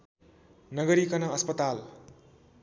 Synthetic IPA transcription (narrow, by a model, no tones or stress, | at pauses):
nʌɡʌɾikʌnʌʌspʌt̪al